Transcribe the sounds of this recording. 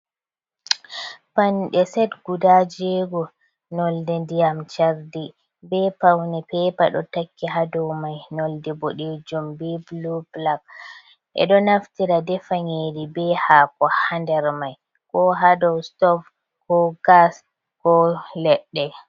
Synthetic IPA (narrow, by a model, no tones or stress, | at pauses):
panɗɛsɛdɡudad͡ʒɛɡɔ | nɔldɛndijamt͡ʃaɾdi | bɛpawnɛpɛpa̰ɗɔ̰takːiɦadɔwmajnɔldɛboɗed͡ʒumbiblublak̚ | ʔɛ̰ɗɔnaftiɾadɛfaŋeːdibɛhaːkɔhandɛɾmaj | kɔɦadɔwstɔf | kɔɡas | kɔlɛɗːɛ